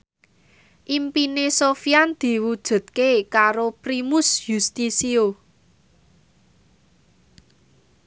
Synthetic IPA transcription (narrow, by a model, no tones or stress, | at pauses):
ʔimpinesofiand̪̥i̤wud̥ʒ̥ṳt̪̚kekaɾopɾimʊsjust̪isio